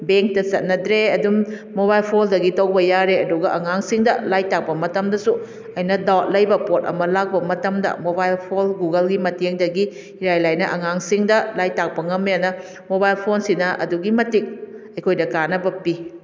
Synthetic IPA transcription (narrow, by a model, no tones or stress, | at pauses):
beŋk̚tɐsɐt̚nɐdɾeɐdum | mobajlpʰoldɐɡitɐwbɐjaɾeɐduɡɐʔɐŋaŋsiŋdɐlajtak̚pɐmɐtɐmdɐsu | ɐjnɐdawt̚lɐjbɐpot̚ɐ̰mɐlak̚bɐmɐtɐmdɐ̰mobajlpʰolɡuɡɐlɡimɐteŋdɐɡi | iɾajlajnɐʔɐŋaŋsiŋdɐlajtak̚pɐŋɐmːjanɐ | mobajlpʰonsinɐʔɐ̰duɡimɐtik̚ | ɐjkʰojdɐkanɐbɐpi